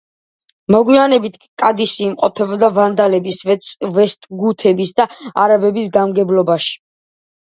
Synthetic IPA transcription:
mɔɡwianɛbit̪ʰkʼad̪isiːmqʼɔpʰɛbɔd̪avand̪alɛbisvɛst̪ʼɡut̪ʰɛbisd̪aaɾabɛbisɡamɡɛblɔbaʃi̥

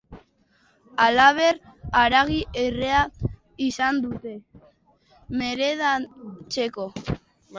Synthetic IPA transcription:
alaβ̞e̞ɾaɾaɣiʔerea | isand̪ut̪e̞ | me̞ɾeðat͡se̞ko̞

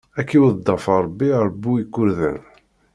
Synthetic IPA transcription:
ækːiwəðd̪ˤːɑfɑɾˤəbːiɾˤbːuikːʊɾðæ̰n

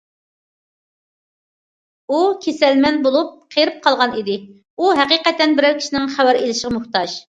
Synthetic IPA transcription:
ukʲʰesɛlmɛnbolˠup̚qʰeɾɪp̚qʰɑlˠʁɑnid̪ɪ | uɦæqiqɛt̪ːɛnbɪɾɛlkʲi̥ʃinɪŋχæwæɾelɪʃəʁmuχt̪ɑʃ

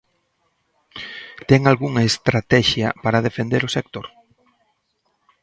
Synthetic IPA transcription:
t̪ɛŋalɣuŋɐest̪ɾat̪ɛʃjɐ̰paɾaðefend̪eɾʊsekt̪oɾ

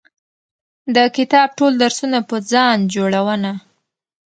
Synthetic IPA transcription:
d̪əkɪt̪ɑb̚ʈold̪aɾsunapəd͡zɑnd͡ʒoɽawəna

